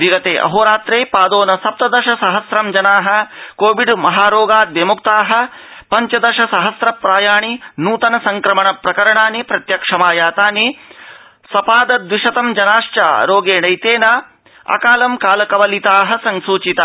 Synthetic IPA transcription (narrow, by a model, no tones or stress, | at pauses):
ʋiɡɐt̪eːʔɐ̰ɦoːɾaːt̪ɾeːpaːd̪oːnɐsɐp̚t̪ɐd̪ɐʃɐsɐɦɐsɾɐmd͡ʒɐnaːɦɐ̆koːʋiɖmɐɦaːɾoːɡaːd̪ʋemuk̚t̪aːɦɐ̆ | pɐɲt͡ʃɐd̪ɐʃɐsɐɦɐsɾɐpɾaːjaːɳinuːt̪ɐnɐsɐŋkɾɐmɐɳɐpɾɐkɐɾɐɳaːnipɾɐt̪jɐkʂɐmaːjaːt̪aːni | sɐpaːd̪ɐd̪ʋiʃɐt̪ɐmd͡ʒɐnaːʃt͡ʃa̰ːɾoːɡeːɳɐjt̪eːnaː | ɐ̰kaːlɐmkaːlɐkɐʋɐlit̪aːɦɐ̆sɐŋsuːt͡ʃit̪aː